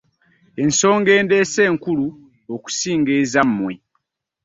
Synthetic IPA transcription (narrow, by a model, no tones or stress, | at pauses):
e̞nso̞ːŋɡe̞ːndeːse̞ːŋkulu | oku̥siːŋɡeːzamːwe